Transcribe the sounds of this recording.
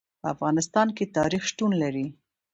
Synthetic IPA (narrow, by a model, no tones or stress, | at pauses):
pəa̰fɣɑnɪst̪ɑnket̪ɑɾixʃʈ̪unlaɾi